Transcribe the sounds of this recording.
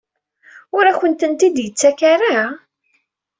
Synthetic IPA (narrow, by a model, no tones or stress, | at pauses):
ʊɾæçənt̪ənt̪id̪jət͡sːækaɾa